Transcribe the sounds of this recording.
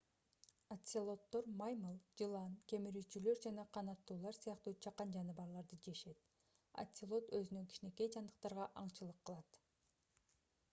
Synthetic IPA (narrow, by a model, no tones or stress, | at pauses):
at̪ʲsʲilˠo̞t̪ːo̞ɾmɑjmɯlˠd͡ʒɯlˠɑnke̞miɾyt͡ʃylø̞ɾd͡ʒɑnɑqʰɑnɑt̪ːuːlˠɑɾsɯjɑqt̪uːt͡ʃʰɑqːɑnd͡ʒɑnɯβɑɾlˠɑɾd̪ɯd͡ʒe̞ʃe̞t̪̚ | a̰t̪ʲsʲɪlˠo̞t̪øzynøŋkʲi̥ʃine̞ke̞jd͡ʒɑnd̪ɯq̚t̪ɑɾʁɑʔɑɴt͡ʃɯlˠɯqːɯlˠɑt̪